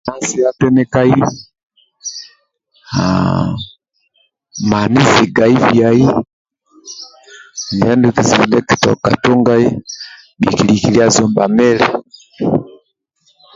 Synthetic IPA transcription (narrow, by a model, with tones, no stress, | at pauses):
na˦si˦a˦tɛ˦nɛ˦ka˦i˦ | ha̰ | ma˨ni˦zi˨ɡa˨i˦vi˨a˨i˦ | ni˨a˦ndu˦ki˨zi˨nɛ˦ki˨tɔ̰˨ka̰˨tɔ˦ŋɡa˦i˦ | mḭ˨ki˨li˨ki˨li˦a˦zɔ˨mba˨mɛ˦lɛ˦